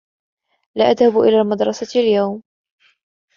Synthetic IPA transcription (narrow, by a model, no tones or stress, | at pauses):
laʔaðhabʔɪ̰laːmad̪ɾˤɑsaljawm